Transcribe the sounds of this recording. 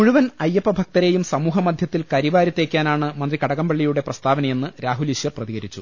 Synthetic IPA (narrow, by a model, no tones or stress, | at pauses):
muɻuʋɐnɐjːɐpːɐbʱɐk̚t̪ɐɾe̞ːjumsɐmuːɦɐmɐd̪ʱjɐt̪ːilkɐɾiʋaːɾjɐt̪ːe̞ːkʲːaːnaːɳɨmɐnd̪rikɐɽɐɣɐmbɐɭːijuɽe̞prɐst̪ʰaːʋɐnɐje̞nːɨɾaːɦuliɕjɐrprɐðiɣɐɾit͡ɕːu